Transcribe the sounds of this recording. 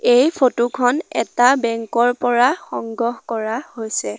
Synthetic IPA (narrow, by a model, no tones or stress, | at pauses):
ejpʰotukʰɔnɛ̰tabɛŋkɔɹpɔɹaxɔŋɡɔhkɔɹahojsɛ